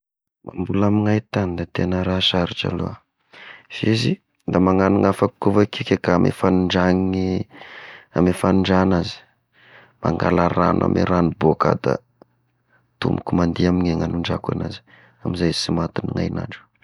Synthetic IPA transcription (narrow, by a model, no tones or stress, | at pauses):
mambulamiŋajt̪anid̪at̪enəɾasaɾiʈ͡ʂa̰lo̰a | fezi | d̪amaŋaniŋafaku̥kːovakikekaamʔḛfanuɳɖ͡ʐaŋii | amefanuɳɖ͡ʐanazi̥ | ma̰ŋɡa̰laɾa̰nʔa̰mʔiɾanuboka̰d̪a̰ | t̪umbukumand̪iamiɲeŋanuɳɖ͡ʐaka̰na̰zi̥ | amizajzisimat̪iniŋa̰jna̰ɳɖ͡ʐu